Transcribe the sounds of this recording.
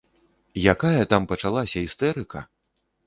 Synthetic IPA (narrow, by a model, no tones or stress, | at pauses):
jakajɐt̪ampɐt͡ʂalˠasʲɐist̪ɛɾɨkɐ